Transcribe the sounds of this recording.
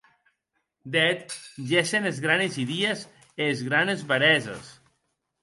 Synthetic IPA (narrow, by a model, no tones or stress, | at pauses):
d̪ɛt̪ʒesenezɣɾaneziðiez | eːzɣɾanezβaɾɛzḛs